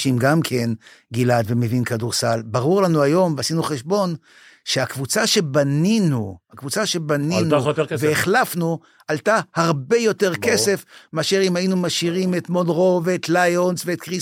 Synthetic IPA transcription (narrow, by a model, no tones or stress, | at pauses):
ʃimɡamkʰe̞nɡilad̪ve̞mevinkaduʁsalbaʁuʁlanuajo̞mveasinuχeʃbo̞n | ʃeakvut͡saʃe̞baninuhakvut͡saʃe̞baninueveeχlafnu | altahaʁbe̞jo̞teʁke̞se̞fmeaʃeʁimainumaʃiʁimetmodʁoveːt̪lajonsveːt̪̚kʁis